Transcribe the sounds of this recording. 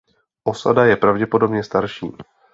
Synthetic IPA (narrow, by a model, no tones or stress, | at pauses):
ʔo̞sa̰dajɛpɾavɟɛpo̞do̞bɲɛst̪aɾʃḭː